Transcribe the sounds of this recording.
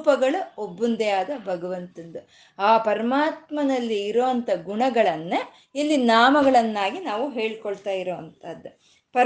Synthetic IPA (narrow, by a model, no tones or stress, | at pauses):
pɐɡɐɭɐobːund̪ɛjaːd̪ɐbʱɐɡɐʋɐnt̪und̪ɐ | aːpɐɾɐmaːt̪mɐnɐlːiːɾoːɐnt̪ʰɐɡuɳɐɡɐɭɐnːe | ilːinaːmɐɡɐɭɐnːaːɡinaːʋuɦe̞ːɭkoɭt̪aːjiɾoːʋɐnt̪ɐd̪ːu | pɐ